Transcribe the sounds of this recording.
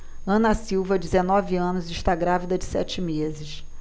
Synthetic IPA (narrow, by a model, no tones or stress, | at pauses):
ɐ̃nɐsiwvɐd͡ʒɪzenɔviɐ̃nʊzɪʃt̪aɡɾavid̪ɐd͡ʒɪsɛ̰t͡ʃɪmezɪʃ